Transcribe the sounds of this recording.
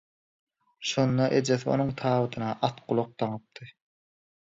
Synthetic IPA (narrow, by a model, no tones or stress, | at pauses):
ʃo̞nd̪ɑʔed͡ʒeθo̰nuŋt̪ʰɑːβɯt̪ʰɯnɑʔɑt̪qulˠoq̚d̪ɑŋɯp̚t̪ʰɯ